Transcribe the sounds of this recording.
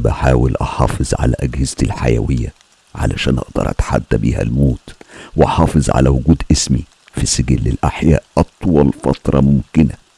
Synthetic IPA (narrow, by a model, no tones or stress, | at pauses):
bæħaːwɪlʔɑħɑːfɨzˤʕa̰læʔæɡhɪzt̪ilħajæwɪjːæ | ʕa̰læʃæːnʔɑʔd̪ɑ̰ɾˤʔæ̰t̪ḁħad̪ːæbiːhæ̰lmoːt̪weʔɑħɑːfɨzˤʕa̰læwʊɡuːd̪ʔɪsmi | fiseɡilːɪlʔaħjæːʔʔɑt̪ˤwɑlfɑt̪ɾˤɑmʊmkɪnæ